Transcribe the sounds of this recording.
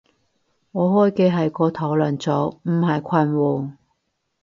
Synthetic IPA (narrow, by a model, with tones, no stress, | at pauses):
ŋɔː˨˧hɔː˥jke˧ɦɐ˨jkɔː˧t̪ʰɐ˨˥wlɐ˨˩nt͡sɔː˨˥m̩˨˩hɐ˨jkʷʰɐ˧nwɔː˨˧